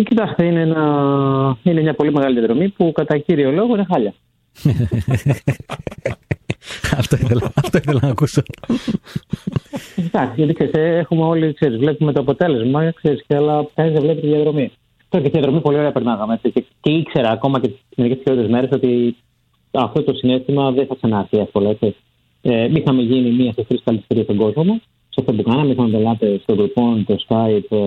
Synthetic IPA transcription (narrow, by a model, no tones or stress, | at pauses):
cit̪ɐst̪eineenɐ | inemɲɐpo̞lime̞ɣɐliðijɐðɾo̞mipukɐt̪ɐciɾio̞lo̞ɣoine̞xɐʎɐ | ɐft̪oiθelɐɐft̪oiθelɐnɐkuso | t̪ɐksiʝɐt̪ikseɾist̪eexumeo̞likse̞ɾizvlepume̞t̪oɐpo̞t̪e̞le̞zmɐkseɾisceɐlɐkɐnizðevle̞pit̪iðiɐðɾo̞mi | t̪oɾɐcet̪ijɐðɾo̞mipo̞lioɾe̞ɐpeɾnɐɣɐmeet͡siceceikse̞ɾɐːko̞mɐceme̞ɾikessiçlot̪t̪eme̞ɾe̞so̞t̪i | ɐft̪o̞t̪o̞sine̞st̪imɐðeθɐksɐnɐɾθiɐspolɐekse | emixɐmeʝinimiɐsefɾispɐlit̪i̥st̪eɾiɐst̪oɡo̞zmomɐ | seɐft̪op̬ukɐnenɐmixɐmɐd̪elɐt̪est̪oɡlufo̞nt̪o̞skaip